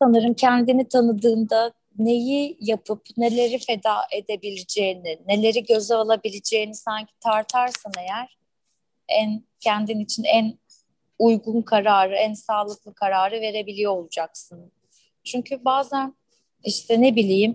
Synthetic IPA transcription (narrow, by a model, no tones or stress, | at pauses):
sanɯɾɯmcʰænd̪init̪ʰanɯd̪ɯːnd̪a | ne̞jijapʰɯpne̞lʲe̞ɾife̞d̪aːʔe̞d̪e̞bilʲid͡ʒe̞jinɪne̞lʲe̞ɾiɟø̞zɛolˠabilʲid͡ʒe̞jinisaɲcʰi̥t̪ʰaɾt̪ʰaɾsɯne̞jæɾ̥ | æn | cʰɛnd̪init͡ʃʰinæn | ujɡunkʰaɾaːɾɯænsaːlˠɯklˠɯkʰaɾaːɾɯve̞ɾe̞bilʲijoolˠud͡ʒaksɯn | t͡ʃʰyɲcʰybaːzæn | iʃt̪ʰɛne̞bilʲijim